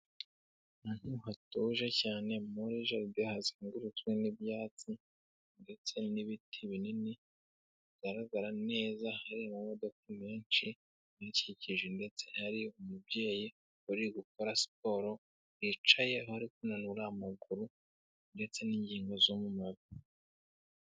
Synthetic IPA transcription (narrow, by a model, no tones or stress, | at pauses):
nan̥uhatoʒecaːne̞moɾiʒabjohaziːŋɡuɾut͡swenibjaːt͡si | nde̞t͡se̞niβitʰiβinini | iɡaɾaɡaɾane̞ːzahaɾimumodokumeːnt͡ʃi | niciciʒende̞t͡se̞haɾiomubɟe̞ːji | uɾiɡukoɾasi̥p̚o̞ɾo̞ | it͡ʃaje̞hohaɾikunanuɾamaɡuɾu | nde̞t͡se̞niːɲɟiːŋɡo̞zomumaβi